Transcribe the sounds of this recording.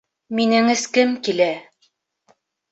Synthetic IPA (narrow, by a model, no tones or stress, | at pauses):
minɘ̆ŋɘ̆skɘmkilæ